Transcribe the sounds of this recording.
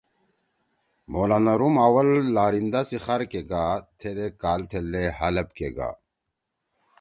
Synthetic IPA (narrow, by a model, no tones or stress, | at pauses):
moːlanɐɾumawɐlːaːɾind̪asixaɾkeɡat̪ʰed̪ekaːlt̪ʰelːehɐlɐp̚keɡa̰ː